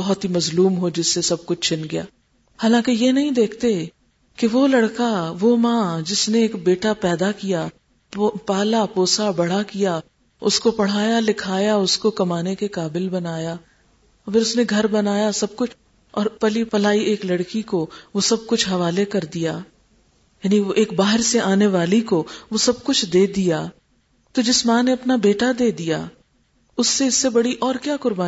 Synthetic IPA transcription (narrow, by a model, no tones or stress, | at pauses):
bɔɦʊt̪ɦimɐzluːmɦod͡ʒɪsːesɐb̚kʊt͡ʃʰt͡ʃɪnɡɐjaː | haːlãːkejenɐɦĩd̪eːkʰt̪e | keʋolɐɽkaʋomãːd͡ʒɪsneːkbeːʈapɛːd̪akija | paːlapoːsabɐɽ̤akija | ʊskopɐɽ̤aːjalɪkʰaːjaʊskokɐmaːnekekaːbɪlbɐnaːjaː | fʰɪɾʊsneɡʱɐɾbɐnaːjasɐb̚kʊt͡ʃʰ | ɔːɾpɐlipɐlaːiʔeːklɐɽkikoʋosɐb̚kʊt͡ʃʰɦɐʋaːlekɐɾd̪ijaː | jaːniʋoʔeːkbaːɦɪɾseʔaːneʋaːlikoʋosɐb̚kʊt͡ʃʰd̪eːd̪ijaː | t̪od͡ʒɪsmãːneɐpnabeːʈad̪eːd̪ija̰ː | ʊsːeɪsːebɐɽiʔɔːɾkjaːkʊɾbaː